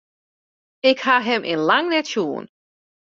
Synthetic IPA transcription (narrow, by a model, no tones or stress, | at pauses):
ɪkhaɦɛmʔɪ̰nlaŋnɛtʃjuːə̰n